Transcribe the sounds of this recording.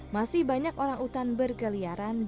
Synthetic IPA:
masɪhbaɲakoɾaŋut̪anbərkəliaɾan

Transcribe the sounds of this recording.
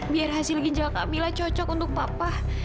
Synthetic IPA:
biarɦasɪlɡiɲd͡ʒalka̰milaht͡ʃɔt͡ʃɔkunt̪ʊk̚papa

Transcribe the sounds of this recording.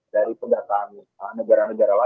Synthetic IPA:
daɾipəɡat̪ani | anəɡaɾanəɡaɾala

